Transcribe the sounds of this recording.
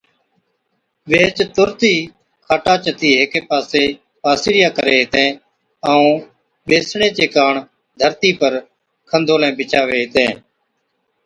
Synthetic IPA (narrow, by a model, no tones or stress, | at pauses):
ʋeːt͡ʃt̪ʊɾt̪iː | kʰaːʈaːt͡ʃət̪iːɦeːkeːpaːseː | paːsɪɾɪjaːkəɾeːɦɪt̪ẽː | əũː | ɓeːsɳeːt͡ʃeːkaːɳ | d̪ʱəɾt̪iːpəɾ | kʰənd̪ʱoːlɛ̃ːbʱɪt͡ʃaːʋeːɦɪt̪ḛ̃ː